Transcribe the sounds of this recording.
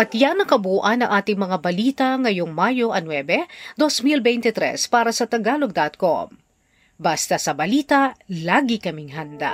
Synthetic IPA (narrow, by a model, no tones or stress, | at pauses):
ʔɐt̪janɐkɐbuːʔɐnɐŋʔaːt̪ɪŋmɐŋabɐliːt̪ɐŋɐjoŋmaːjo̞ʔɐnwɛbɛd̪o̞smilbɛjnt̪ɛt̪ɾɛ̰spaːɾɐsɐt̪ɐɡaːloɡ̚d̪ɐt̪̚ko̰m | bast̪ɐsɐbɐliːt̪ɐlaːɡikɐmɪŋɦɐnd̪a̰